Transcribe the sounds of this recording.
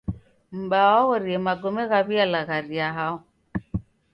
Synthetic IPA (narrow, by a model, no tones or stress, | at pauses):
m̩baɔɣɔɾiɛmaɡɔmɛɣaβialaɣaɾiaɦaɔ